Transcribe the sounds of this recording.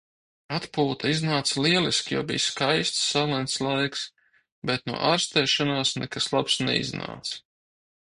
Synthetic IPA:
at̪puːt̪aiznaːt̪slˠiɛlˠiskʲjɔ̰ːbḭjskajst̪sːalˠɛnt̪slˠajks | bɛt̪̚nuɔ̰ʔaːɾst̪ɛːʃanaːsnɛ̰kaslˠapsnɛ̰ḭzna̰ːt̪s

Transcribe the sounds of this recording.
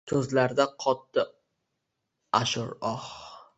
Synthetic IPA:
t̪ʰɵzlaɾd̪aqʰɒt̪ːɪ | aʃʊɾɒh

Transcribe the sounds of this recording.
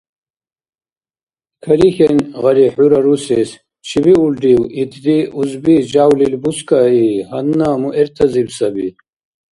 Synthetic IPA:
kʰɐɾixenʁɐɾiħuɾɐɾuses | t͡ʃʰibiulɖiwit̪ʰd̪iuzbid͡ʑaːwlilbuskaihɐnːamuʔeɾt̪ʰɐzibsɐbi

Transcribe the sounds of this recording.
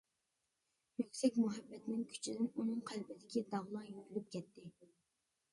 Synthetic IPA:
møkʲsɛkʲmuɦɛbːɛt̪nɪŋkʲʰy̥t͡ʃʰid̪ɪnunɨŋqʰælbɪd̪ɪkʲid̪ɑʁlˠɑjyɾylyp̚kʲʰɛt̪ʰːɪ

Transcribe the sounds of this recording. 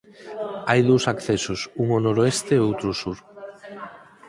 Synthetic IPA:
ajðowsakθɛsosuŋonoɾoest̪eowt̪ɾʊsuɾ

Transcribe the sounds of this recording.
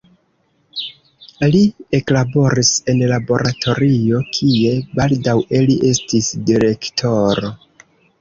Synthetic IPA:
lie̞klabo̞ɾise̞nlabo̞ɾʔatʰo̞ɾio̞kʰie̞baldaweliʔe̞stisdiɾe̞ktʰo̞ɾo̞

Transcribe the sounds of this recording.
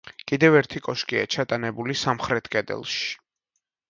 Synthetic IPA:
kʼid̪ɛvɛɾt̪ʰikʼɔʃkʼia̰t͡ʃʰat̪ʼanɛbulisamχɾɛt̪ʰkʼɛd̪ɛ̰lˠʃi̥

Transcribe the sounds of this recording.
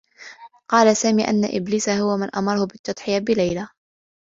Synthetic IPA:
qɑːlasaːmiːʔa̰nːaʔɪ̰bliːsahʊwamanʔɑ̰mɑɾˤɑhʊbɪt̪ːɑd̪ˤħɪjabɪlajla

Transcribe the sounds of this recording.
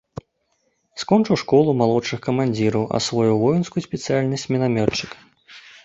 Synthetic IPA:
skɔnt͡ʂɨwʂkɔlˠumalˠɔʂɨxkɐmanʲd͡zʲiɾɐwʔɐ̰svɔjuvɔjinskujusʲpʲɛt̪sɨjalʲnɐsʲt͡sʲmʲɛnamʲɔt͡ʂːɨk

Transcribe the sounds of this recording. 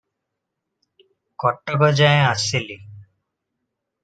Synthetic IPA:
kɔʈːɔkɔd͡ʒajasili

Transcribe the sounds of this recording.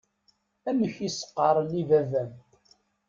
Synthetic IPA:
æməçisə̥qːɑɾˤənivævæm

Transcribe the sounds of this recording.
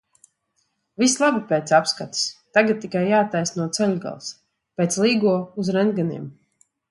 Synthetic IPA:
vislˠabapet̪sapskat̪i̥st̪aɡat̪̚t̪ːikajːaːt̪ːajsnuɔt̪sɛlʲɡa̰lˠs | pɛːt̪slˠiːɡuɔuzɾɛnd̪ɡanḭɛm

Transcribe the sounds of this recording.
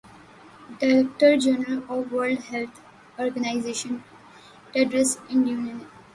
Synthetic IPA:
ɖaɾek̚ʈəɾd͡ʒenəlɔːʋʋəɾlɖhɛlt̪ʰ | ɔːɾɡənaɪzeːʃə̃n | ʈɛɖɾesɪ̃njũːnjə̃n

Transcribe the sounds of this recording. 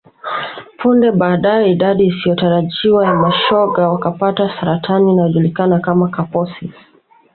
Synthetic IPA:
pʰundɛɓaːɗajɛiɗaɗiːsijɔtaɾaʄiwajamaʃɔɡawakapatasaɾatʰaniːnajɔʄulikanakamakapɔsi

